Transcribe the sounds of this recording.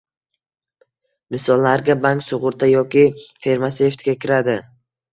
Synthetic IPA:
mɪsɒlˠːaɾɡʲabaŋksʊʁʊɾt̪ʰajɒkʲɪfe̞ɾmase̞ft̪ɡʲakʲɪɾad̪ɪ

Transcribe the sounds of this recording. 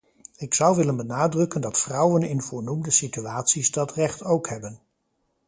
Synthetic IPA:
ɪksʌwʋɪlənbənaːdrɵkəndɑtfrʌwənɪnvʊːɹnumdəsityaːtsizdɑtrɛχtowkɦɛbən

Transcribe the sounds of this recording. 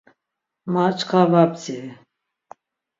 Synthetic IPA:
mat͡ʃʰkʰavabt͡si

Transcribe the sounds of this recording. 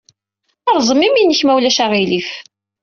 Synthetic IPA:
ɑɾˤzˤəmiminːəçmæwlæʃæʁilif

